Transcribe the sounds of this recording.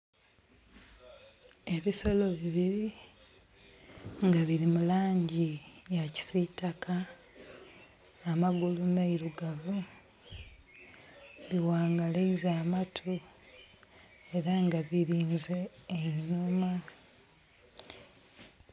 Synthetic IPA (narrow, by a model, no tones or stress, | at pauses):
e̞βiso̞lo̞βiβiɾi | ŋɡaβiɾimulaːɲɟijaci̥sitakʰa | amaɡulumeiɾuɡaβu | βiwaːŋɡaleizaːmatʰu | e̞ɾaŋɡaβiɾiːnzeːnuma